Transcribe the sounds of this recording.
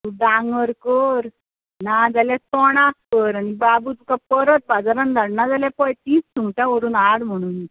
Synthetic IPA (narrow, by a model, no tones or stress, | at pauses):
t̪uɖaŋɡəɾkəɾ | nad͡zalat̪ɔɽ̃askəɾanibabuːt̪ukapəɾət̪̚bad͡zaɾand̪ʱaɽnad͡zalãpɔjt̪iːst̪ʰumʈãʋəɾuːnaɽm̤əɽ̃uːn